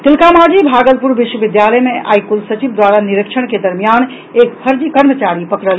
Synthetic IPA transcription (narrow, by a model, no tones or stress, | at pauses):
t̪ilkamad͡ʒibʱaɡəlpuɾbiʃwəbid̪jaləjmea̰jkulsət͡ʃibd̪waɾaniɾikʃʰəɽ̃ked̪əɾmijan | ekpʰəɾd͡ʒikəɾmət͡ʃaɾipəkɾəl